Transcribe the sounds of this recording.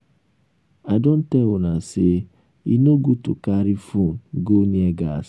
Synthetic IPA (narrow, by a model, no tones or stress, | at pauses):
adon̩teʊnasɪ | ḭnoɡutʊ̰kaɾifuɡoɲieɡas